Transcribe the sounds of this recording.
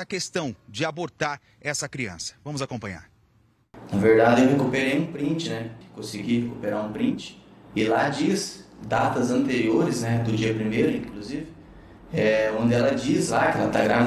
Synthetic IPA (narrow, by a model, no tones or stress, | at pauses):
ɐkest̪ɐ̃w̃d͡ʒɪaboɾt̪aɾ | ɛsɐkɾiɐ̰̃sɐ̥vɐ̃mʊzakõpɐ̃ɲa̰ɾ | nɐveɾd̪ad͡ʒɪewɦekupeɾejũpɾĩnt͡ʃɪnɛkɪkõsɪɡihekupeɾaɾũpɾĩnt͡ʃɪ̥ɪlad͡ʒiɐs | d̪at̪ɐzɐ̃nt̪eɾioɾɪznɛd̪ʊd͡ʒiɐpɾimejɾʊĩkluzivɪ | ɛõnd̪ɪɛlɐd͡ʒizlakɪlat̪aɡɾa